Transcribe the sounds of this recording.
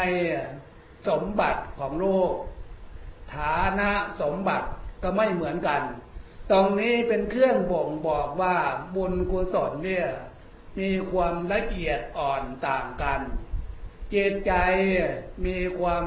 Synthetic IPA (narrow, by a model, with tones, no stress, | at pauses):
j | so˩˦mba˨˩t̪̚kʰɔː˩˦ŋloː˥˩k̚ | t̪ʰaː˩˦na˦˥ʔso˩˦mba˨˩t̪̚kɔ˧˩ma˥˩jmɯ˩˦ənka˧nt̪ɔː˧ŋniː˦˥pe˧nkʰɯ˥˩əŋbo˨˩ŋbɔː˨˩k̚waː˥˩bo˧nku˧so˩˦nːi˥˩ɐ | miː˧kʰwaː˧mla˧ʔi˨˩ət̪̚ʔɔː˨˩nt̪aː˨˩ŋka˧n | t͡ɕeː˨˩t̪̚t͡ɕa˧jmiː˧kʰwaː˧m